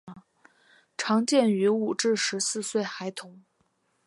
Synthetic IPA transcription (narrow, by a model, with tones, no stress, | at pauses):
ʈ͡ʂʰɑ˧˥ŋt͡ɕjɛ˥˩ny˧˥u˨˩ʈ͡ʂɻ̩˥˧ʂɻ̩˧˥sɹ̩˥˧swe˥˩ɪxa˧˥ɪt̪ʰʊ˧˥ŋ